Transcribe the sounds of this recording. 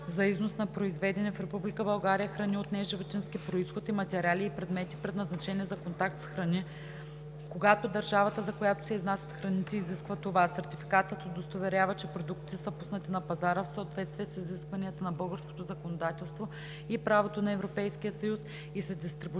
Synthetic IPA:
zɐiznosnɐpɾoizvɛd̪ɛnɛfɾɛpublikəbɐlˠɡaɾijəxɾɐniot̪nɛʒivot̪ʲinskipɾoisxot̪imɐt̪ɛɾʲaliːpɾɛd̪mɛt̪ipɾɛd̪nɐznɐt͡ʃɛniɛzɐkont̪ak̚t̪sxɾɐni | koɡat̪od̪ɐɾʒavət̪əzɐkojat̪o̥sɛiznasʲət̪xɾɐnit̪ɛiziskvət̪ovasɛɾt̪ʲifikat̪ət̪od̪ost̪ovɛɾʲavət͡ʃɛpɾod̪ukt̪i̥t̪ɛsəpusnɐt̪inɐpɐzaɾəfsoot̪vɛt̪st̪viɛsiziskvɐniət̪ənɐbɤlˠɡəɾsko̥t̪ozɐkonod̪at̪ɛlˠst̪vo | ipɾavot̪onɐɛvɾopɛjskijəsɐjus | isɐd̪ist̪ɾibu

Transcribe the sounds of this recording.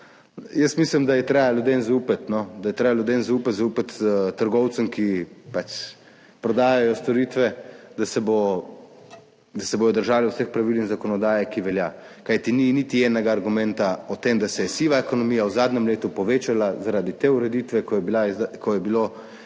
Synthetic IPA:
jəst̪mislimd̪ajɛt̪ɾɛjaljud̪enzaupət̪nɔd̪ajɛt̪ɾɛjaljud̪enzaupət̪zaupat̪t̪əɾɡɔwt̪səmkipat͡ʃ | pɾɔd̪aːjajɔst̪ɔɾiːt̪ʋɛd̪asɛbo | d̪asɛboːj̪ɔd̪əɾʒaːliwsɛxpɾaʋilnixzakɔnɔd̪aːjɛkiʋɛlja | kajt̪ininit̪iɛːnɛɡaːɾɡumɛnt̪aɔt̪emd̪asɛjɛsiʋaekɔnɔmijawzaːd̪nʲɛmleːt̪upɔʋeːt͡ʃalazaɾad̪it̪eːuɾɛd̪it̪ʋɛkɔjɛbilakɔjɛbilo

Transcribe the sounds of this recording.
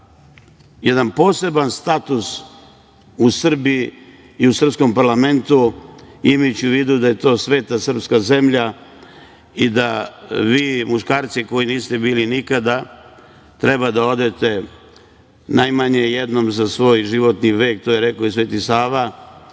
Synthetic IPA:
jed̪anpo̞ːse̞banst̪at̪us | usr̩biiː | usr̩psko̞mpaɾlˠame̞nt̪uimajut͡ɕɪuʋid̪ud̪aje̞t̪o̞ːsʋe̞ːt̪asr̩pskaze̞mʎa | id̪aʋiːmuʃkaːɾt̪siko̞jiniːst̪e̞biːlinikad̪a | t̪ɾe̞bad̪ao̞d̪e̞t̪e | najmaɲejed̪no̞mzasʋo̞ːjʒiʋo̞t̪niʋe̞ːk̚t̪oːjeɾe̞kois̬ʋe̞ːt̪isaːʋa

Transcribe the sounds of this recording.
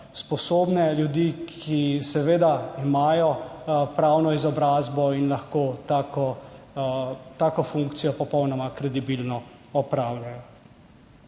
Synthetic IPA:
spɔsoːbnɛljud̪ikʰisɛʋeːd̪aimaːjɔpɾaːwnɔizɔbɾaːzbɔinlaxkot̪akɔ | t̪aːkɔfuŋkt̪sijɔpɔpɔwnɔmakɾɛd̪ibilnɔ | ɔpɾaːwlʲajɔ

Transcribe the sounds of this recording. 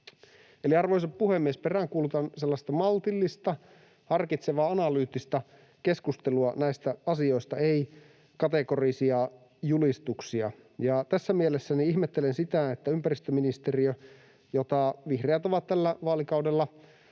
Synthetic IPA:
eliɑrʋojs̬ɑppuhemːiesperæŋkuːlut̪ɑnselːɑst̪ɑmɑlt̪ilːist̪ɑ | hɑrkit̪seʋɑːɑnɑlyːt̪ːist̪ɑ | ke̞skust̪eluɑnæist̪æɑsio̞ist̪ɑei | kɑt̪eko̞risiɑ | julist̪uksiɑ̰ | jɑt̪æsːæmielesːæniiçmet̪ːelensit̪æet̪ːæympærist̪øminist̪eriø | jot̪ɑʋihreæt̪o̞ʋɑt̪t̪ælːæʋɑːlikɑwdelːɑ

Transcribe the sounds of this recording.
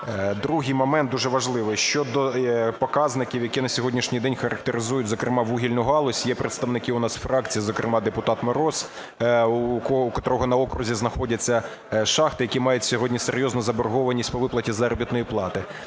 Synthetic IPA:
d̪ɾuɦɪjmɔmɛnt̪̚d̪uʒɛʋɐʒlˠɪʋɪʃt͡ʃɔd̪ɔpɔkɑznɪkʲiwjɐkʲinɐsʲɔɦɔdʲnʲiʃnʲijd̪ɛnʲxɐɾɐk̚t̪eɾɪzujʊtʲzɔkɾɪmɑʋuɦʲilʲnʊɦɑlˠɔsʲjɛpɾet̪st̪ɐʋnɪkɪʊnɑsfɾɑk̚t͡sʲijizɔkɾʔɪmɑd̪epʊt̪ɑt̪mɔɾɔs | uɔkɔt̪ɾɔɦɔnɐɔkɾʊzʲiznɐxɔdʲɐt͡sʲːɐ | ʃɑxt̪ɪjɐkʲimɑjʊtʲsʲɔɦɔdʲnʲiseɾʲjɔznʊzɐbɔrɦɔʋɐnʲisʲtʲpɔʋɪplˠɐtʲizɐɾɔbʲit̪nɔjiplˠɑt̪ɪ

